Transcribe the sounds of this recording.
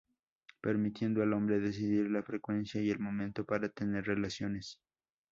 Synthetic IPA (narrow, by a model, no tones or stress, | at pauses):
pe̞ɾmit̪je̞nd̪oalo̞mbɾe̞ðe̞s̬iðiɾlafɾe̞kwe̞nsjaie̞lmõ̞mẽnt̪o̞paɾat̪e̞ne̞ɾre̞lasjo̞ne̞s